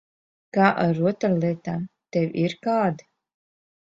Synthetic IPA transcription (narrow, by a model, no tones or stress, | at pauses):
kaːʔaɾuɔt̪ɾalˠiɛt̪aːt̪ɛwʲiɾkaːd̪